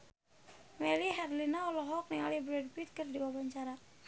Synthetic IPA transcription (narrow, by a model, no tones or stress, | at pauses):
mɛliɦɛrlinaɔlɔɦɔk̚niŋalibɾɛd̚bit̪̚kərdiwabaɲt͡ʃaɾa